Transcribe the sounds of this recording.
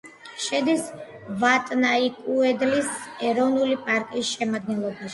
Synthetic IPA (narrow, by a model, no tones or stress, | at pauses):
ʃɛd̪is | vat̪ʼnaikʼuɛd̪lisɛɾɔvnulipʼaɾkʼisʃɛmad̪̚ɡɛnlˠɔbaʃ